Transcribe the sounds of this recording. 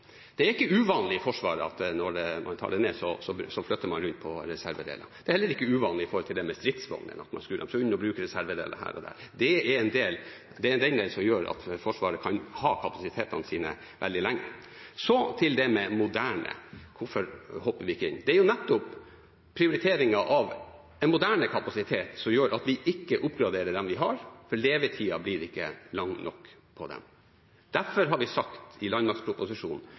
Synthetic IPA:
d̪̥ɛæɾɪkːəʉːʋɑːnlɪɪfɔʂʋɑːɾəɑ̰t̪nɔɖɛmʔɑ̰nt̪ʰɑ̰ːɖɛneːsɔsɔsɔflœt̪ːəmɑnɾʉnt̪̚pʰɔɾɛsæɾʋəd̪ḛːlɑd̪ɛɾhɛlːəɾɪkːəʉːʋɑːnlɪɪfɔɾhɔlt̪ʰɪld̪ɛmɛst̪ɾɪt̪sʋɔ̰ŋd̪ə̰nɑ̰t̪mɑ̰nskʉd̪ɛ̰msɔʉnːɔbɾʉːkəɾɛsæɾʋəd̪ḛːlɑ̰hæ̰ːɾɔ̰d̪ɛæ̰ːd̪ɛɛɾɛnd̪eːl | d̪ɛɾɛnd̪ɛnd̪eːlsɔmjøːɾɑ̰t̪fɔʂʋɑːɾəkʰɑnhɑːkʰɑpɑsɪt̪ʰeːt̪ɑnəsiːnə | ʋʔɛld̪ɪlæŋːə | sɔt̪ʰɪld̪ɛmɛmʊd̪æːɳə̰kʰʊfɔɾhɔpːəɾʋɪɪkːəɪ̰nːd̪ɛæɾjʊnɛt̪ːʊpʰː | ɾɪʊɾɪt̪ʰeːɾɪŋɑʔɑʋ | ɛnmʊd̪æːɳəkʰɑpɑsɪt̪ʰeːt̪sɔmjøːɾʔɑt̪ʋɪʔɪkːəʔʊpɡɾɑd̪eːɾəd̪ɛmʋɪɦɑɾfɔɭeːʋət̪ʰiːɑblɪɾɪkːə̰lɑŋnʔɔ̰kːpʰɔd̪ɛ̰m | d̪̥æɾfɔɾɦɑɾʋɪsɑkt̪ɪlɑnmɑɾkspʰɾʊpʊsɪʂṵːnn̩

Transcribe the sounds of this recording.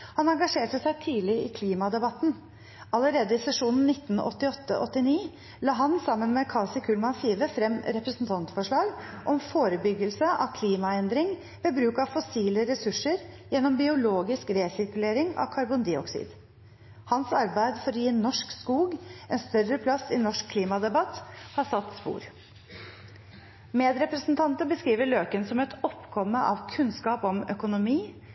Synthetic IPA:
hɑnɑŋɡɑʂeːʈəsæɪt̪ʰiːlɪɪ̰kʰliːmɑd̪ɛbɑt̪n̩ | ɑləɾeːd̪əɪsɛʂuːnn̩nɪt̪ːn̩ɔ̰t̪ːɪɔt̪ːə̰ʔɔt̪ːɪniː | lɑːɦɑnsɑmːənmɛkʰɑlsɪkʰʉːlmɑnfiːʋəfɾɛmɾɛpɾəsn̩t̪ʰɑnt̪fɔʂɭɑːɡʔɔmfoːɾəbʏɡəlsəʔɑ̰ʋkʰliːmɑɛnd̪ɾɪŋ | ʋeːbɾʉːkɑʋfɔsiːləɾɛsʉʂːəɾjɛnːɔmbɪʊloːɡɪskɾeːsɪɾkʉleːɾɪŋɑ̰ʋkʰɑɾbʊnd̪ɪɔksɪ̰ːd̪ | hɑnsɑɾbæɪd̪fɔɾɔjiːnːɔʂkskuːɡɛnst̪œrːəpʰlɑsɪnɔʂkʰːliːmɑd̪ɛbɑt̪hɑsɑt̪ːspṵːɾ | meːd̪ɾɛpɾəsnt̪ʰɑnt̪əbəskɾiːʋəɭøːkənsɔmɛt̪ɔpkʰɔmːəʔɑ̰ʋkʰʉnskɑːpɔmœkʊnʊmiː

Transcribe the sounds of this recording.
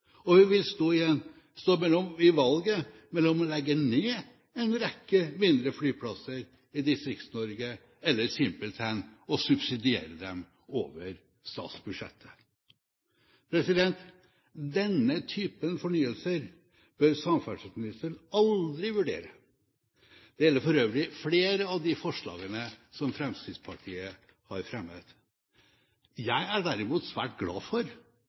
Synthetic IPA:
ɔhʉnʋɪlst̪oːɪjɛnː | st̪oːmɛlɔmɪʋɑlɡəmɛlːɔmɔlɛɡːəneː | ɛnɾɛkːəmɪnd̪ɾəflyːpʰlɑsəɾ | ɪd̪ɪst̪ɾɪkt̪snɔɾɡə | ɛlːəɾsɪmpəlt̪ʰænɔsʉbsɪd̪ɪḛːɾəd̪ɛm | o̰ːʋəɾ | st̪ɑ̰ːt̪sbʉd̪ʂɛ̰t̪ʰːə̥ | pʰɾɛsɪd̪ɛnt̪ | d̪ɛnːət̪ʰyːpənfɔɳyːəlsəɾ | b̥øɾsɑmfæʂəsmɪnɪst̪ənɑld̪ɾɪʋʉɖḛːɾə | d̪̥ɛjɛlːəɾfɔɾøːʋəlɪfleːɾəɑʋd̪ɪfɔʂɭɑ̰ːɡənəsɔmfɾɛmst̪ɪd̪spʰɑʈʰiːə | hɑɾfɾɛmːət̪ | jæɪæɖæɾɪmuːt̪sʋæ̰ːʈɡlɑ̰ːfɔɾ

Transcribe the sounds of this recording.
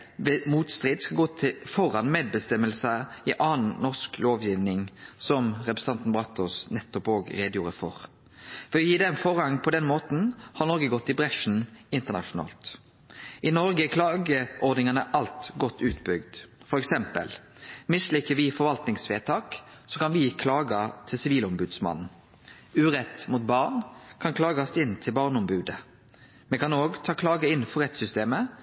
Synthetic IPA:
ʋɛmuːt̪st̪ʁiːd̪skɑlɡoːt̪ʰɪfɔɾɑnmeːd̪̚bəst̪ɛmːəlsəɪʔɑːnnɔʁskloːʋjɪʋnɪŋsɔmʁɛpɾɛsɑnt̪n̩bʁɑt̪ːɔsnɛt̪ːɔpoːɡɾeːd̪əjuːɾəfɔ̰ɾ | fɔɪjiːd̪ɛnfɔʁhɑŋːpʰɔd̪ɛnmoːt̪n̩hɑɾnɔɾɡəɡɔt̪ːɪbɾɛʂn̩ɪnt̪əʁnɑ̰ʂʊnɑ̰ːlt̪ | ʔɪnɔɾɡəækʰlɑːɡəʔɔʁd̪nɪŋɑnəʔɑlt̪ɡɔt̪ːʉːt̪bʏɡd̪fɔɾɛksɛmpə̰l | mɪslɪkːəʋɪfɔɾʋɑlt̪nɪŋsʋeːt̪ʰɑːk | sɔkʰɑnʋɪkʰlɑːɡət̪ʰɪlsɪʋiːləɔmbʉːd̪smɑ̰nn̩ | ʉːɾɛt̪mut̪̚bɑʁnkʰɑnkʰlɑːɡɑst̪ɪnːt̪ʰɪlbɑʁnɔmbʉːd̪ə | mɛkʰɑnoːɡt̪ʰɑːkʰlɑːɡəɪnfɔɾʁɛt̪sʏst̪eːmə

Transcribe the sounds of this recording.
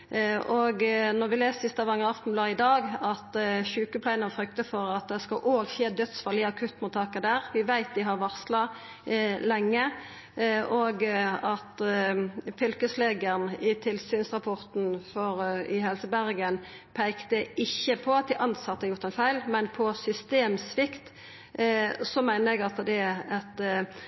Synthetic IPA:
ʔoɡnɔʁʋɪleːssɪst̪ɑʋɑŋːəʁɑft̪n̩blɑːd̪ɪd̪ɑːɡɑt̪çʉːkəpʰlæɪnənfʁʏkt̪əfɔʁɑt̪̚d̪ɛskɑlʔoːɡçeːd̪œt̪sfɑlɪɑkʰʉt̪ːmʊt̪ʰːɑːkɑd̪æːʁʋɪʋæɪt̪̚d̪ɪɦɑʁʋɑʁslɑ | lɛŋːə | oɡɑt̪ | fʏlkəsleːɡəʁnɪt̪ʰɪlsyːnsʁɑpʰɔʁt̪n̩fɔɾɪɦɛlsəbæʁɡən | pʰæɪkt̪əɪçːəpʰɔɑt̪̚d̪ɪʔɑnsɑt̪ːəhɑɾjʊʁt̪æɪnfæɪlmɛnpʰɔsʏst̪eːmsʋɪkt̪ | sɔmæɪnəɾɛɡɑt̪d̪ɛɑt̪

